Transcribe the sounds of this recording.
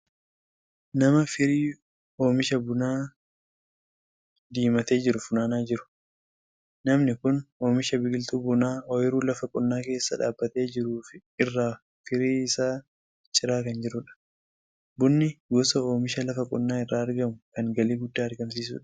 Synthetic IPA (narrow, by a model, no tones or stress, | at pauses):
nɐmɐfɪɾiː | o̞ːmɪʃɐbʊnaː | d̪iːmɐt̪e̞ːd͡ʒɪɾʊfʊnaːnaːd͡ʒɪɾʊ̥ | nɐmnɪkʊnoːmɪʃɐbɪɡɪlt̪uːbʊnaːɔjɪɾuːlɐfɐkʼʊnːaːke̞ːsːɐᶑa̰ːbːɐt̪e̞ːd͡ʒɪɾuːfɪ | ɪrːaː | fɪɾiːɪsaː | t͡ʃʼɪɾaːkɐnd͡ʒɪɾʊᶑɐ̥ | bʊnːɪɡɔsɐoːmɪʃɐlɐfɐkʼʊnːaːɪrːaːɐɾɡɐmʊkɐŋɡɐliːɡʊd̪ːaːɐɾɡɐms̬iːs̬ṵːᶑɐ̥